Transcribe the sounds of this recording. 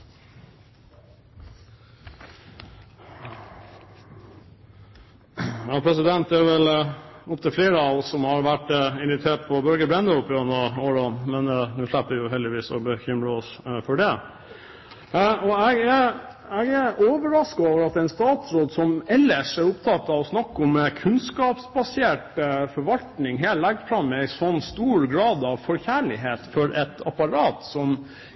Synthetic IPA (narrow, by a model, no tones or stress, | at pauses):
jɑːpʰɾɛs̬ɪd̪ɛnt̪̚d̪ɛæːɾʋɛlʊpt̪ʰəfleːɾəɑʋsɔmhɑɾʋæʈːɪnʋɪt̪ʰeːʈpʰɔbœlɡəbɾɛnd̪əʊpːɪənd̪əoːɾonmɛnnʉːʂlæpːəʋɪjʊɦɛld̪ɪʋiːsɔ̰bəçʏmɾəɔsfɔɖɛ | ɔɛɡæ | ɛɡæoːʋəɾɑskɑoːʋəɾɑt̪ɛɪnst̪ɑːt̪sɾoːd̪sɔmɛlːəʂæɾʊpt̪ʰɑt̪ːɑʋɔsnɑkːɔməkʰʉnskɑːpsbɑseːʈəfɔɾʋɑlt̪nɪŋɦeːllæɡfɾɑmɛɪsɔnːst̪uːɾɡɾɑːd̪ɑʋfɔɾçæːɭɪɦeːt̪fɔɾʔɛt̪ɑpɑɾɑːt̪sɔm